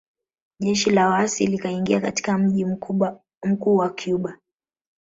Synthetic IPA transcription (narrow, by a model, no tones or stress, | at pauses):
ʄɛʃilawasḭlikaiŋɡiakati̥kam̩ʄi | m̩kuːwakʰjuɓa